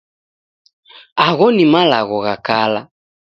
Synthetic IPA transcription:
aɣɔnimalaɣɔɣakala

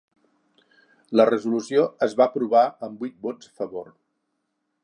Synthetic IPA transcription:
lərəzulusioəzβapɾuβaəmbut̪̚bod͡zə̥fəβor

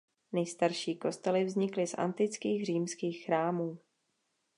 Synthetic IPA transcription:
nɛjst̪aɾʃiːko̞st̪ɛlɪvzɲɪklɪsʔa̰nt̪ɪt͡skiːxriːmskiːxxɾaːmuː

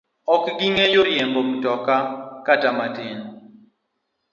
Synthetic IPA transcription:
ɔkɡiŋɛjoɾjɛmbɔm̩tɔkakatamatɪn

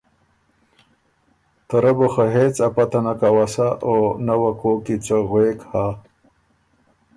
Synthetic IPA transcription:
t̪ɐɾɐboxaɦeːt͡sapat̪anakawasaʔonawakoːkit͡soɣweːkha

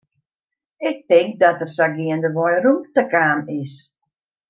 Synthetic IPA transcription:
ɪk̚tɪŋk̚dɔtərsaɡiəndəʋɔjrumtəkaːnɪs

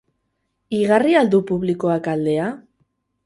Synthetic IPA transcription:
iɣ̞ariald̪upuβliko̞akald̪e̞a

